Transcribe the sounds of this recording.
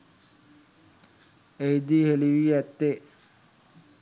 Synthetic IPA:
ejd̪iheliʋiɛt̪ːe

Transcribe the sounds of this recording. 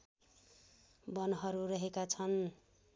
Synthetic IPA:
bʌnɦʌɾuɾʌɦekat͡sʰʌn

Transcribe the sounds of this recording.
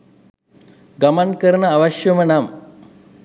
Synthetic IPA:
ɡɐmɐnkɐɾɐnɐːʋɐʃjɐmɐnaːm

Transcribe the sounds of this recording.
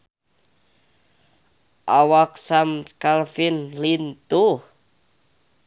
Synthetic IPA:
ʔawak̚samkalfinlint̪u

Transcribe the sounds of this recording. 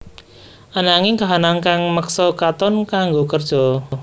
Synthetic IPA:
ʔanaŋiŋkaɦanaŋkaŋməksɔkat̪ɔnkaŋɡokərd̥ʒ̥ɔ̤

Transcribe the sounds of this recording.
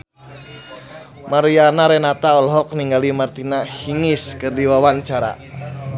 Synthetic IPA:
maɾianaɾɛnat̪aɔlɦɔk̚niŋɡalimart̪inahiŋɪskərdiwawant͡ʃaɾa̰

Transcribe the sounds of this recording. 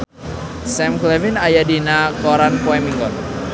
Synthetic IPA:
sɛmklɛvinajadinakɔɾanpwɛmiŋɡɔn

